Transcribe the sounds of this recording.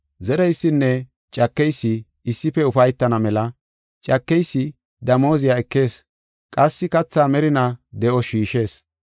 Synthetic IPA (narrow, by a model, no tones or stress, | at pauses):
zɛɾɛjsːɪnːɛ | t͡ʃʼɐkːɛjsːɪː | sːɪpɛʊfɐjt̪ːɐnɐmɛlɐ | t͡ʃʼɐkːɛjsːɪ | d̪ɐmo̞ːzɪjaɛkːe̞ːs | kʼɐsːɪkɐt͡sːaːmɛɾɪnɐd̪ɛʔɔʃiːʃe̞ːs